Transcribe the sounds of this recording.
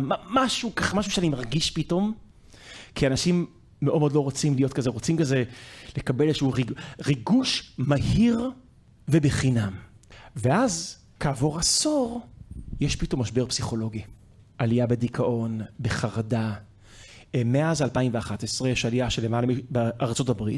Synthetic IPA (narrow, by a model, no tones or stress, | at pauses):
mamaʃukaχmaʃuʃeanimaʁɡiʃpito̞m | kianaʃimː | eʔodmod̪lo̞ʁot͡simlijo̞tkazeʁot͡simkazelekabelzeʃuʁiʁiɡuʃmahiʁ | vebeχinamveʔaz | kaːvo̞ʁaso̞ʁjeʃpito̞mːaʃbeʁpsiχo̞lo̞ɡi | ʔalijabedikʰaʔo̞nbeχaʁada | meaazalpaimveaχatesʁejeʃalijaʃelemalemibeʔaʁt͡so̞tabʁit